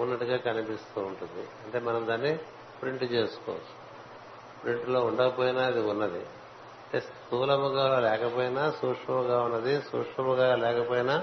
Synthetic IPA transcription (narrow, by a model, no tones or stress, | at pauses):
unːɐʈuɡaːkɐnipist̪uːɳʈund̪ḭɐɳʈe̞ːmɐnɐmd̪aːnːi | pɾiɳʈt͡ʃe̞ːsu̥kɔ̰ːʋɐ̰t͡ʃːu̥ | pɾiɳʈlo̞ːuɳɖɐɐpoːjinaːɐd̪iunːɐd̪i | ɐʈesʈtsuːlɐmuɡaːlɛːkɐpoːjinaːsuːkʂɐmuɡaːunːɐd̪isṵːkʂɐmuɡaːlɛːkɐpoːjina